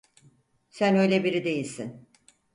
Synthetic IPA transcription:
sænø̞jlʲebiɾid̪e̞jilʲsin

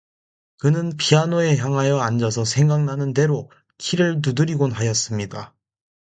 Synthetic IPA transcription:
kɯnɯnpianoe̞çjaŋɦajʌand͡ʑʌsʰʌsʰe̞ŋɡaŋnanɯnde̞ɾo | kʰiɾɯɭt̬udɯɾiɡonɦajʌs͈ɯmɲida

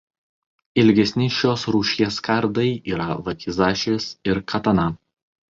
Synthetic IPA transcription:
ɪlʲɡʲɛsʲnʲɪʃʲoːsɾuːʃʲiɛskɐɾd̪ɐɪiːɾɐʋɐkʲizɑːʃʲeːsɪɾkʰɐt̪ɐnɐ

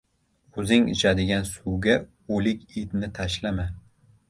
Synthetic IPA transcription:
ɵzɪŋɪ̰t͡ʃʰad̪ɪɡʲansuwɡʲa | olɪkʲid̪nɪt̪ʰaʃlama

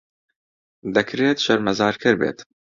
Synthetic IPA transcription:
d̪ɛkɾeːt̪ʃɐɾmɐzɑːɾkʰɨɾbḛːt̪

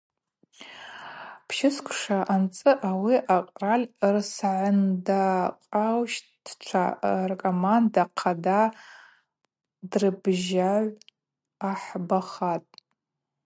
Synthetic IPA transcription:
pʰʃɪskʷʰʼʂaʔant͡sʼɨʔawiʔaqʼralʲrsʕʊndaqʼawʃtd̥t͡ʃʷʰa̰rkʼomandaqʰada | drɨbʒaʕʷ | aħbaχatʼ

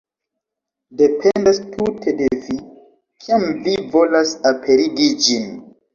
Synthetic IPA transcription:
de̞pʰendastʰutʰe̞de̞vi | kʰiamvivolasapʰe̞ɾiɡid͡ʒin

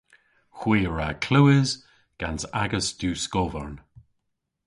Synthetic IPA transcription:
xwiːɹakʰl̥uːɪz | ɡ̥ansaɡəsd̥uːskovəɹn

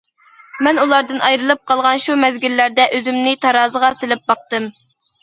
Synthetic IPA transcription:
mɛnulˠɑɾd̪ɨnʔɑjɾɨlˠɨp̚qʰɑlˠʁɑnʃumɛzɡʲilːæɾd̪ɛʔøzymnɪt̪ʰɑɾɑːzəʁɑselɪp̚bɑq̚t̪ɨm

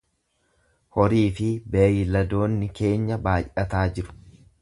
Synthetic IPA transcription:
hɔɾiːfɪbɛjlɐd̪oːnːɪke̞ːɲːɐbaːjʔɐt̪aːd͡ʒɪɾʊ̥

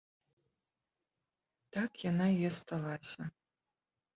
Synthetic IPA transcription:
t̪akjanajɛst̪alˠasʲɐ

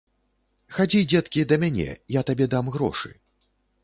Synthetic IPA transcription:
xad͡zʲid͡zʲɛt̪kʲid̪ɐmʲanʲɛ̰jat̪abʲɛd̪amɣɾɔ̰ʂɨ̰

